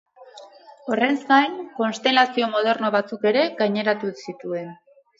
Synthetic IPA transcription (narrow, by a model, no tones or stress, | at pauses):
o̞re̞nzɡajŋko̞nst̪e̞lasio̞mo̞ð̞e̞ɾno̞β̞at͡suke̞ɾe̞ɡajɲe̞ɾat̪usit̪ue̞n